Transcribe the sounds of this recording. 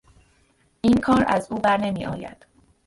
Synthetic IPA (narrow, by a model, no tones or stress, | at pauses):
ʔiːnkʰɒːɾæ̰zuːbæɾne̞miːʔɒ̰ːjæ̰d̪̥